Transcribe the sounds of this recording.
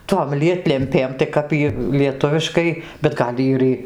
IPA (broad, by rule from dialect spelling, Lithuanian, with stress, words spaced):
toːm ˈlʲiɛtʲlʲɛmʲpʲeːm tɐɪ ˈkɐp jiː lʲiɛˈtʊʋʲɪʃkɐɪ bʲɛt ˈɡɐlʲ ɪr ˈiː